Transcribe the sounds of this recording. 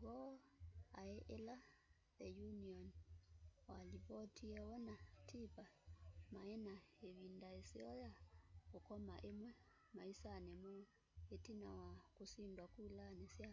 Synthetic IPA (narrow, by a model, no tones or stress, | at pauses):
ɡɔ | aeʔela | ðɛjuniɔn | walipɔtʰiɛwɔnatʰipamaenaeβindaeseɔjaɔkɔmaʔemwɛ | maisanɛmɔ | etinawakusindwakulanesja